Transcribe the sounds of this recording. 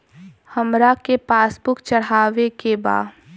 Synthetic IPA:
həmɾakepaːsbʊkt͡ʃəɽaːʋekeba̰ː

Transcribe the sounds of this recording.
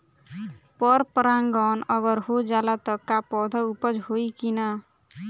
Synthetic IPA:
pɔɾpɾaŋɡɔnʌɡʌɾhod͡ʒalat̪ʌkapɔd̪ʱʌupʌd͡ʒɦojkinʌ

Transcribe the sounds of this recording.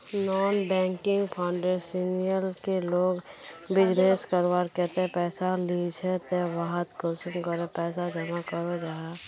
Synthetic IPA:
nɔːnbɛ̃ːŋkɪ̃ŋɡpʰaʊɳɖesinijəlkeloːɡbɪd͡ʒneskəɾʋaɾkɛt̪epɛːsalid͡ʒʰɛt̪eʋaɦət̪kɔsəmkəɾepɛːsad͡ʒəmakəɾod͡ʒaɦa

